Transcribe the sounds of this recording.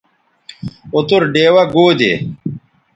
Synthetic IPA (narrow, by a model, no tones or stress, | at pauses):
ut̪uɾɖeːwɐɡoːd̪ḛ